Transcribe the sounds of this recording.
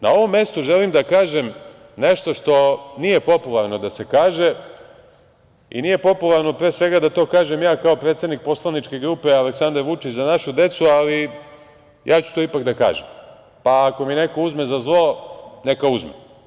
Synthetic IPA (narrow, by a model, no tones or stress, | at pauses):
nao̞ʋo̞mːje̞st̪uʒe̞limd̪akaːʒem | ne̞ʃt̪o̞ʃt̪o̞nije̞po̞pulˠaɾno̞d̪ase̞kaːʒe̞ | ḭnije̞po̞pulˠaɾno̞pɾeːsʋe̞ɡad̪at̪o̞ːkaːʒe̞mjaːkao̞pɾet̪sed̪nik̚po̞slˠanit͡ʃke̞ɡɾuːpe̞aleksand̪aɾʋut͡ʃit͡ɕzanaʃud̪e̞t̪suali | jʔaːt͡ɕu̥t̪o̞ipakd̪aka̰ːʒem | paːko̞mine̞ko̞uzme̞zazlˠo̞ne̞kauzmḛ